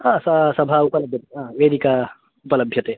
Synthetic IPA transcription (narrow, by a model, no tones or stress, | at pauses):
ɦãːsɐsɐbʱaupəlɐbʱjɐt̪eɦãʋed̪ika | upələbʱjɐt̪e